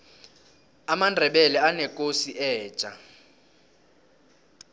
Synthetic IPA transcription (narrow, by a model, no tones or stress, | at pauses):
amandʱɛɓɛlɛanɛkʼosiʔɛːt͡ʃʼa